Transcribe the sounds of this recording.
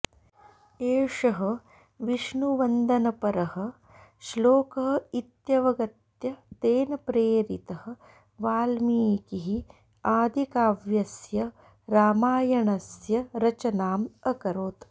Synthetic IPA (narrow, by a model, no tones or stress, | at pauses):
eːʂɐɦɐ̆ | ʋiʃɳuʋɐnd̪ʱɐnɐpɐɾɐɦɐ̆ | ʃloːkɐɦɐit̪jɐʋɐɡɐt̪jɐd̪eːnɐpɾeːɾḭt̪ɐhɐ̆ | ʋaːlmiːkiɦi | aːd̪ʱikaːʋjɐsjɐ | ɾaːmaːjɐɳɐsjɐɾɐt͡ʃɐnaːmɐkɐɾoːt̪